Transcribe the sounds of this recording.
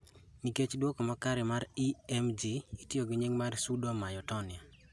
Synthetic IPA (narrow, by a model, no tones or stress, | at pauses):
niket͡ʃdwɔkɔmakaɾɪmaɾiɛmd͡ʒiitioɡɪɲeŋmarsudomajɔtɔnɪa